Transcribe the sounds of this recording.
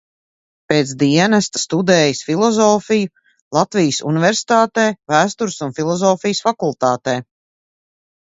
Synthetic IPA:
peːt̪sd̪iɛnast̪st̪ud̪ɛːjəsfilˠɔzɔːfiju | lˠat̪vijəsṵnivɛɾsi̥t̪aːt̪ɛːvæːst̪uɾsunfilˠɔzɔːfijəsfakulˠt̪aːt̪ɛː

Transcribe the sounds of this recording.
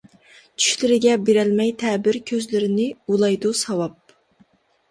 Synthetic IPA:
t͡ʃʰy̥ʃlɪɾɪɡʲɛbeɾɛlmɛjt̪ʰɛːbɪɾkʲʰøzlɪɾɪnɪulˠɑjd̪usɑwɑp̚

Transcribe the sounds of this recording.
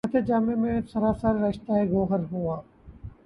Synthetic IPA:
ɐt̪ʰed͡ʒaːmemẽsəɾaːsaɾɾɐʃt̪aeɡoːɦəɾɦuaː

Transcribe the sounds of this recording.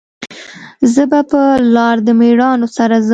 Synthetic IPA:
zəbapəlɑɾd̪əmeɽɑnosaɾaz

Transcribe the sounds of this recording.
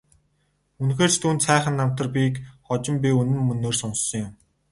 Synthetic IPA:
unxeːrt͡ɕt̪ʰuːnt̪sæːχə̆nːam̥t̪ə̆rpʲikχɔt͡ɕɪ̆mpʲiunɘ̆mːɵnoːrsʊnsɞ̆ŋjʊm

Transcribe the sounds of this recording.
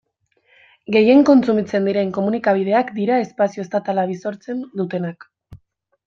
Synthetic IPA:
ɡe̞je̞ŋko̞nt͡sumit͡se̞nd̪iɾe̞ŋko̞munikaβ̞ið̞e̞akd̪iɾae̞spasio̞est̪at̪alaβ̞iso̞ɾt͡se̞nd̪ut̪e̞nak

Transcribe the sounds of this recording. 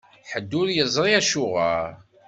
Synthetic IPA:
ħəd̪ːʊɾjəzˤɾˤiæʃʊʁaɾ

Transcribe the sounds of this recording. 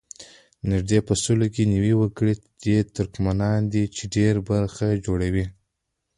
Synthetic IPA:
nɪʒd̪epəsulokeniwiwəkɽid̪̥et̪ʊɾkmanɑnd̪it͡ʃeɖeɾbaɾxad͡ʒoɽawi

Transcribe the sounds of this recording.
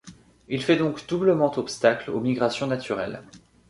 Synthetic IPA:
ilfɛd̪ɔ̃kd̪̥ubləmɑ̃t̪ɔpst̪aklomiɡʁasjɔ̃nat̪ʰyʁɛl

